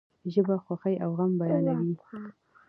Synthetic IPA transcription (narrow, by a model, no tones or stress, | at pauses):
ʒəbaxwaxajʔawɣambajɑlawi